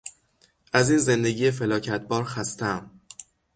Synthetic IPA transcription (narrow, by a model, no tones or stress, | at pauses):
ʔæziːnze̞nd̪e̞ɟijefe̞lɒːcʰæt̪̚ʰbɒːɾxæst̪ʰæm